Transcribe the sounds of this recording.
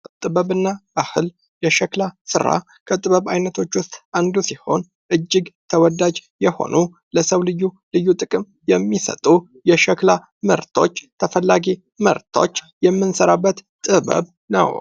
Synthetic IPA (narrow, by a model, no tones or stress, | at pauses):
t̪ʼɨβəβɨnːabahɨl | jɛʃəklasɨɾa̰ | kʰət̪ʼɨβəβajnət̪ʰo̞t͡ʃːwʊst̪ʼand̪usiho̞n | ʔɨd͡ʒːɪɡt̪ʰəwɔd̪ad͡ʒjɛho̞̰nʔu | ləsəwlɨjːu | lɨjːut̪ʼɨkʼɨm | jɛmːisə̰t̪ʼu | jɛʃəkla | mə̰ɾt̪ʰo̞̰t͡ʃːt̪ʰəfəlːaɡi | mə̰ɾt̪ʰo̞̰t͡ʃː | jɛmːɨnsəɾabːət̪ | t̪ʼɨβə̰β | nə̰w